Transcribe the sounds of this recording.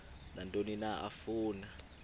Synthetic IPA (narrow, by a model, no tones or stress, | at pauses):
nantʼoninaʔa̰fuːna